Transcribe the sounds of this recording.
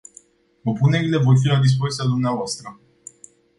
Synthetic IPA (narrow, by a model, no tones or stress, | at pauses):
opune̞ɾile̞vo̞rf̬ilad̪is̬po̞zit̪ʲad̪umneavoast̪ɾə